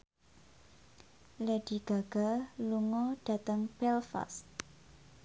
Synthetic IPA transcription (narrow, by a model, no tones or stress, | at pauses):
lɛɖ̥i̤ɡ̥a̤ɡ̥a̤luŋɔɖ̥ä̤t̪əŋpɛlfa̰st̪